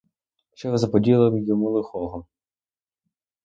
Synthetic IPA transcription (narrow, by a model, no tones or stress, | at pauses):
ʃt͡ʃɛʋɪzɐpɔdʲilˠɪʋɪjɔmulˠɪxɔɦɔ